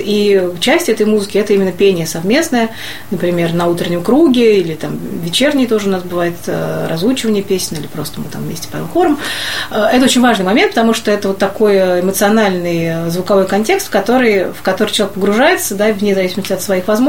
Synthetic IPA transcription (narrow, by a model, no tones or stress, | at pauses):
it͡ɕæsʲtʲɛt̪əjmuzɨkʲɪɛt̪əimʲɪnːəpʲenʲɪjəsɐvmʲe̞snəjə | nəpɾʲɪmʲe̞rnɐut̪ɾʲɪnʲɪmkɾuɡʲɪilʲɪt̪amvʲɪt͡ɕe̞rnʲɪjt̪o̞ʐəʊnasbɨvajɪt̪ə̰rʔɐzut͡ɕɪvənʲɪjəpʲesʲnʲilʲɪpɾo̞st̪əmɨ̰t̪a̰mvmʲesʲtʲɪ̥pɐxoɾəməɛt̪əo̞t͡ɕɪnʲvaʐnɨjmɐmʲent̪pət̪ɐmuʂt̪oɛt̪əvo̞t̪ːɐko̞jɪmət̪sɨɐnalʲnɨjəzvʊkɐvo̞jkɐnʲtʲe̞kst̪fkɐt̪o̞ɾɨjfkɐt̪oɾɨt͡ɕɪlˠɐekpəɡɾʊʐajɪt̪səd̪avʲnʲɪzɐvisʲɪməsʲtʲɪɐt̪svɐixvɐzmo